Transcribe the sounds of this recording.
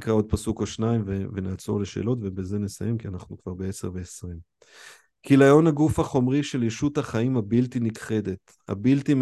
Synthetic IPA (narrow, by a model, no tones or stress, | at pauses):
kʁao̞d̪̚pasukoʃnaimvevenat͡so̞̰leʃḛːlo̞tvebeze̞ne̞sa̰je̞mkianaχnukv̥aʁbe̞ese̞ʁve̞esʁim | kilajo̞naɡufhaχo̞mʁiʃe̞ljeʃut̪haχaimhabiltinikχe̞d̪et̪ | ha̰biltim